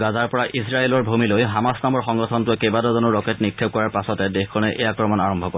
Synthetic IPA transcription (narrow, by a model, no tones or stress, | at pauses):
ɡazaɹpɔɹaʔisɹaelɔɹbʱumilojɦamasnamɔɹxɔŋɡɔtʰɔntʊkebadɔzɔnɔɹɔketnik̚tʰeb̚kɔɹaɹpasɔtɛdexkʰːɔnɛʔejakɹɔmɔnaɹɔmbʱɔkɔ